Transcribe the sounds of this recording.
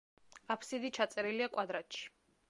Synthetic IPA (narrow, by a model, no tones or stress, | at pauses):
apʰsid̪it͡ʃʰat̪sʼɛɾiliakʼwad̪ɾat̪ʃi̥